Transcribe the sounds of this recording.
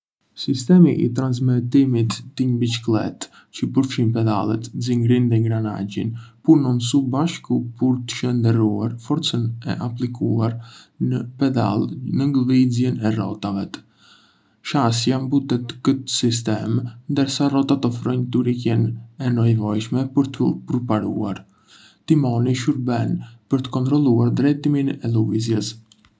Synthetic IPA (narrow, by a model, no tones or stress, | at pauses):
sist̪ɛmiʔḭt̪ɾans̬mɛt̪imit̪ːəɲbit͡ʃklɛ̰t̪ | cəpəɾfʃinpɛd̪a̰lˠɛ̰t̪ziŋɡɾind̪ɛŋɡɾana̰ɟḭnpuɾnɔnsubaʃkupuɾt̪ə̥ʃənd̪əɾuaɾfɔɾt͡sənɛ̰ʔaplikuaɾnəpɛd̪a̰lˠnəŋɡəvizjɛnɛrɔ̰t̪avɛt̪ | ʃasjambut̪ɛt̪kət̪ə̥sis̬t̪ɛmnd̪əɾsarɔt̪at̪əfɾɔɲt̪uɾikɛnɛnɔjvɔjʃmɛpəɾt̪əpɾpaɾṵaɾ | t̪imɔniʃuɾbɛnpəɾt̪ə̥kɔnt̪ɾɔlˠuaɾd̪ɾɛt̪iminɛluizjɛs